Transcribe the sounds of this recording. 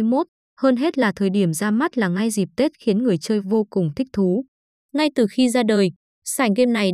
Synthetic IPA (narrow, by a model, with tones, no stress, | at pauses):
mo˦˥t̚ | həː˧nɦe˦˥t̚laː˨˩t̪ʰəː˨˩jɗi˧˩əmzaː˧ma˦˥t̚laː˨˩ŋa˧jzi˨˩p̚t̪e˦˥t̚xi˨˦ənŋɨ˨˩əjt͡ɕəː˧jvo˧kʊ˨˩ŋ͡mt̪ʰï˦˥k̚t̪ʰu˨˦ | ŋa˧jt̪ɨ˨˩xi˧zaː˧ɗəː˨˩j | saː˧˩ŋɣe˧mna˨˩j